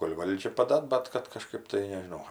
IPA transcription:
koːlʲ ˈʋɐlʲd͡ʒʲɛ pɐˈdɐ ˈbɐt kɐt kɐˈʃkɜp tɐɪ nʲɛʒʲɪˈnɐʊ

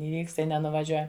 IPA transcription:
ɪˈʋʲiːkst ˈtɐɪ nʲɛnʊʋɐˈʒʲuɔjɛm

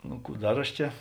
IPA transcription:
ˈnʊ ˈkuː ˈdɐr ɐʃ ˈt͡ʃʲɛ

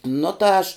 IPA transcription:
ˈnʊ tɐ ˈɐʃ

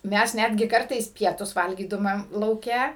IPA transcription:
ˈmʲɛs ˈnʲædʲɡʲɪ ˈkɐrtɐɪs ˈpʲiɛtʊs ˈʋɐlʲɡʲiːdʊmɐm lˠɐʊˈkʲɛ

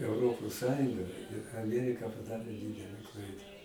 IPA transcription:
ɛʊˈroːpoːs ˈsɑːjʊŋɡɐ ɪr ɐˈmʲiɛrʲɪkɐ pɐˈdɑːrʲeː ˈdʲiːdʲɛlʲɛ ˈklˠɐɪdɐ

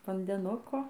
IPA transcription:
ʋɐnʲdʲɛˈnʊkoː

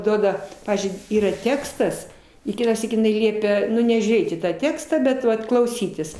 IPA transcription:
ˈduɔdɐ ˈpɑːʋʲiːzʲd͡ʒʲʊɪ ˈiːrɐ ˈtʲæːkstɐs ɪ ˈkʲɪtɑːˌsʲiːk jɪˈnɐɪ ˈlʲiɛpʲɛ ˈnʊ nʲɛʒʲuːˈrʲeːt iː tɑː ˈtʲæːkstɑː bʲɛt ˈʋɐt klˠɐʊˈsʲiːtʲɪs

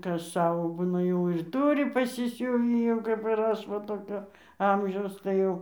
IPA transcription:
ˈkɐs ˈsɑːʋoː ˈbuːnɐ jɛʊ ɪr ˈtʊrʲɪ pɐsʲɪˈsʲʊʋʲiː jɛʊ kɐp ɪr ˈɐʃ ˈʋɐ toːˈkʲoː ˈɐmʲʒʲɛʊs tɐɪ ˈjɛʊ

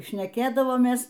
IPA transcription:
ʃʲnʲɛˈkʲeːdɐʋoːmʲeːs

